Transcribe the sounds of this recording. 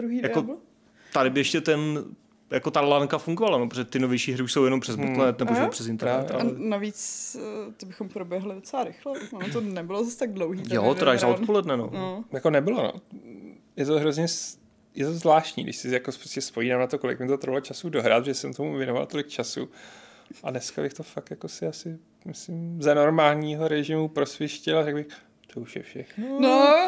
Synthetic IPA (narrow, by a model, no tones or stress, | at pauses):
d̪ɾuɦidjakol | t̪adɪbɪɛʃcɛt̪ɛn | jakot̪alaŋkafuŋɡovalanopɾoʒɛt̪ɪno̞vjɛjʃiːɦɾɪuʃsowjɛnompr̥ɛzut̪lɛt̪nɛboowpr̥ɛsɪnt̪ɛɾnɛa̰ɛnavit͡sː | t̪ɪbɪxompɾobjɛɦlɪdot͡sɛlaɾɪxlɛonnot̪onɛbɪlozast̪aɡdlowɦiːjot̪ɾaːʒzaotppo̞lɛdnɛno̰nojakonɛbɪlono̰ | jɛt̪oɦɾo̞zɲɛs | jɛt̪ozvlaːʃcɲḭːɡdɪ̰ʃsɪjakopɾoscɛspojiːnaːmnat̪o̞ko̞lɪkmɪt̪ot̪ɾ̩valot͡ʃasudo̞ɦɾa̰ːt̪ʒɛsɛmt̪omuvjɛnova̰lt̪olɪk̚t͡ʃasṵ | ʔadnɛskabɪxt̪o̞fak̚t̪jako̞sɪasɪ | mɪslɪmzano̞ɾmaːlɲiːɦo̞ɾɛʒɪmupɾo̞sʋjɛʃcɪlaɾɛɡbɪx | t̪ouʃjɛ̰fʃɛxnno